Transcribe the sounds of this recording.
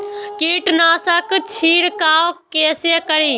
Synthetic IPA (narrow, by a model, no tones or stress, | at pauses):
kiːʈnaːsəkt͡ʃʰiːɽkaːʋkeːsekəɾiː